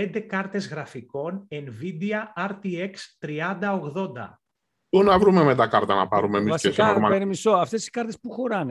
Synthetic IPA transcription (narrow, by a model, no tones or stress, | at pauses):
end̪e̞kɐɾt̪e̞zɣɾɐfiko̞nenvid̪iɐɐɾt̪ie̞kst̪ɾiɐnd̪ɐoɣðo̞nd̪ɐ̰ | unɐvɾumemet̪ɐkɐɾt̪ɐnɐ̰pɐɾumemiɐseiskɐɾmɐpeɾimiso̞ɐft̪e̞si̥skɐɾt̪e̞spuxo̞ɾɐn